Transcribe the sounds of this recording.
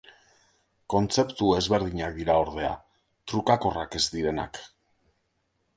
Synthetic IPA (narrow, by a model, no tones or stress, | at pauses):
ko̞nt͡se̞pt̪ue̞zβe̞ɾðiɲak̚d̪iɾaoɾðe̞a̰ | t̪ɾukako̞rake̞zd̪iɾe̞na̰k